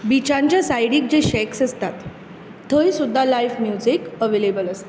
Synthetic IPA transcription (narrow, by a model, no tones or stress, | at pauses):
bit͡ɕãɲt͡ɕjasajɽiːk̚d͡ʑeɕɛksəst̪at̪ːʰ | əjsud̪ʱːalajfmjud͡zikəʋelebələst̪e